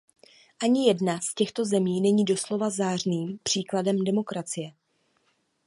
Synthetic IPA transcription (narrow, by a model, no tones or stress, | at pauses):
ʔaɲɪjɛdnascɛxt̪o̞zɛmiːnɛɲiːdo̞slo̞vazaːr̝niːmpr̝̥iːkladɛmdɛmo̞kɾat͡sɪjɛ